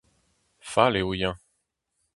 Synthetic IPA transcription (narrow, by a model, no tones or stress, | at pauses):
faleujɛ̃